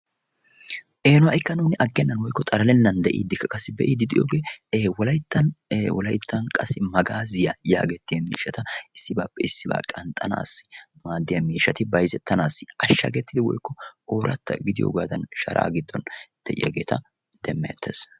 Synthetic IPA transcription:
ʔe̞ːnʊɐʔɪkːɐnuːnɪʔɐɡːɛnːɐnwɔjkːɔt̪ʼɐɾɐlɛnːɐnd̪ɛʔḭd̪ːɪkːɐkʼɐsːɪbɛʔid̪ːɪd̪ɪjoːɡe̞ːwɔlɐjt̪ːɐnwɔlɐjt̪ʰːɐnkʼɐsːɪmɐɡaːzɪjɐja̰ːɡɛt̪ːɪjɐmḭːʃːɐt̪ɐɪsːɪba̰ːpːɛɪsːɪba̰ːkʼɐnt̪ʼɐna̰ːsːɪ̥ | maːd̪ːɪjɐmiːʃːɐt̪ɪbɐjzɛt̪ːɐnaːsːɪɐʃːɐ̰ɡɛt̪ːɪd̪ɪwɔ̰jkːɔoːɾɐt̪ːɐ̰ɡɪd̪ɪjo̰ːɡaːd̪ɐnʃɐɾʔa̰ːɡɪd̪ːɔnd̪̥ɛʔɪ̰jɐ̰ɡe̞̰ːt̪ʰɐ | d̪̥ɛmːɛɛ̰t̪ʰːes

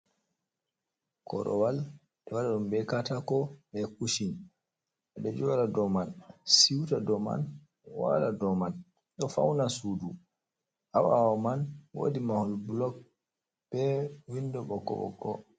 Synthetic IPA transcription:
kɔ̰ɾʔɔ̰wal | ɗɛwaɗaɗumbɛkatakɔɓɛkuʃin | ɛɗɛd͡ʒɔːɾadɔmansiwtadɔma̰n | wa̰ladɔman | ɗɔfa̰wnasudu | ʔawawɔmanwo̰dimahɔlbulɔk̚ | b̥ɛwindɔɓɔkɔ̰ɓɔ̰ɡɔ̰

